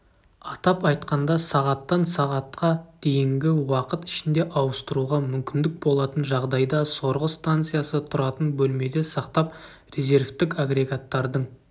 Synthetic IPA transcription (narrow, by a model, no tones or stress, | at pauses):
ɑt̪ɑpɑjt̪qɑnd̪ɑsɑʁɑt̪ːɑnsɑʁɑt̪qɑd̪̥e̞jɪŋɡʲɪwɑqət̪ɪ̥ʃɪnd̪e̞ʔɑwəst̪əɾuʁɑmʏmkʲɪnd̪ɪk̚bo̞lˠɑt̪ənʒɑʁd̪ɑjd̪ɑso̞ɾʁəst̪ant̪sɨjasət̪ʰʊɾɑt̪ənbɵlme̞d̪e̞sɑqt̪ɑp | rʲe̞zʲe̞rft̪ɪkaɡɾʲe̞ɡat̪ːɑɾd̪əɴ